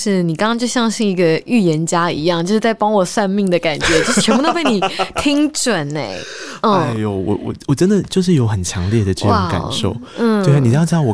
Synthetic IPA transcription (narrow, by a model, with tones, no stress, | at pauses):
ʂɻ̩˥˩ni˨˩kɑ˥ŋkɑ˥ŋt͡ɕjo˥˧ʊɕjɑ˥˧ŋɕi˥˩ŋi˧˥ɡə˧y˥˩jɛ˧˥nt͡ɕja˥ḭ˧˥jɑ˥˩ŋt͡ɕjo˥˧ʊʂɻ̩˥˩t͡sa˥˩ɪpɑ˥ŋwɔ˨˩sa˥˧nmi˥˩ŋd̪ə˩ka˨˩nt͡ɕɥɛ˧˥t͡ɕjo˥˧ʂt͡ɕʰɥnbu˧t̪o˥ʊpe˥˩ɪni˨˩t̪ʰi˥ŋʈ͡ʂwə˨˩nḛ˦ɪ˥˩a˥˩ɪo˨˩wɔ̰˨˩wɔ̰˨˩wɔ˨˩ʈ͡ʂə˦˥nd̪ə˨t͡ɕjo˥˧ʊʂ̬ɻ̩˥˩jo˧˥ʊxə˨˩nt͡ɕʰjɑ˧˦ŋljɛ˥˩d̪ə˩ʈ͡ʂɤ˥˧˩a˥˦˩ka̰˨˩˦nʂo̰˥˩ʊ | n̩˥˩˥ni˨˩˥ɑ˥˩wɔ˨˩